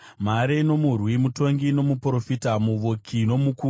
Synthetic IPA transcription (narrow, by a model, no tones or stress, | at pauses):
m̤aɾeno̞murwimuto̞ŋɡino̞muprofitamuʋokʰino̞muku